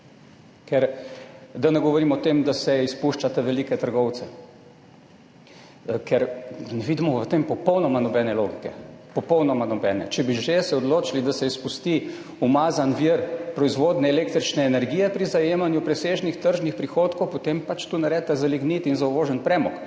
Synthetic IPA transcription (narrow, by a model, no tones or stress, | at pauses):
kɛɾ | d̪anɛɡɔʋɔɾimɔt̪emd̪asɛispuʃt͡ʃat̪aʋɛliːkɛt̪əɾɡɔwt̪sɛ | kʰɛɾnɛʋiːd̪imɔʋət̪empɔpɔwnɔmanɔbɛnɛlo̰ɡikɛpɔpɔwnɔmanɔbɛːnɛ̰t͡ʃɛbiʒesɛɔd̪loːt͡ʃilid̪asɛispust̪i | umazanʋiɾpɾɔizʋoːd̪nɛːleːk̚t̪ɾit͡ʃnɛːnɛɾɡijɛpɾizajeːmanjupɾɛseːʒnixt̪əɾʒnixpɾixoːt̪kowpot̪empat͡ʃt̪uːnaɾɛt̪azaliɡnit̪inzauʋoːʒɛnpɾɛːmɔk